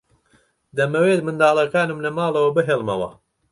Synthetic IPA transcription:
d̪ɐmɐweːt̪mɨnd̪aːlˠɐkaːnɨmlɐmaːlˠɐwɐbɨɦeːlˠmɐwɐ̰

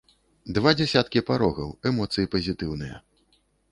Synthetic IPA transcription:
d̪vad͡zʲɛsʲat̪kʲipaɾɔɣɐwɛmɔt̪sɨjipɐzʲit̪ɨwnɨjɐ̰

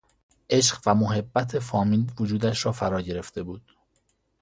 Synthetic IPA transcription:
ʔe̞ʃ̬ɢvæmoɦe̞bːæt̪ʰe̞fɒːmiːlvod͡ʒuːd̪æʃɾɒːfæɾɒːɟe̞ɾe̞ft̪e̞buːd̪̥

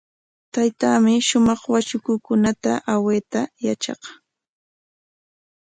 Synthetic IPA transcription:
t̪ajt̪aːmɪʃʊmɑχwat͡ʃʊkʊkʊnat̪aʔaweːt̪ajat͡ʃɑ̰q

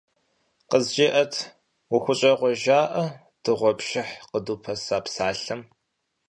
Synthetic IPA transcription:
qəzd͡ʒeʔɐtʰ | wʊxʷʊɕʼɐqʷɔʒaːʔɐ | d̥ɨʁʷɔpʃɪħqəduːpʰɐsaːpsaːɬɨm

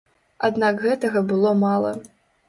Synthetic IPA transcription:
ad̪nakɣɛt̪ɐɣɐbɨlˠɔmalˠɐ̰

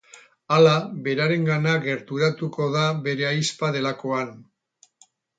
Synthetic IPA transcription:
alaβe̞ɾaɾe̞ŋɡanaɡe̞ɾt̪uɾat̪uko̞ðaβe̞ɾe̞ajspaðe̞lako̞an

